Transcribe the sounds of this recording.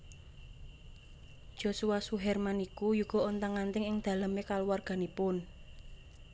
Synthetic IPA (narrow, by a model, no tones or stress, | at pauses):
d̥ʒ̥o̤suwasuɦɛrmanikujuɡ̥ɔ̤ɔnt̪aŋːant̪ɪŋɪŋd̪̥ä̤ləmekaluwarɡ̥a̤nipʊn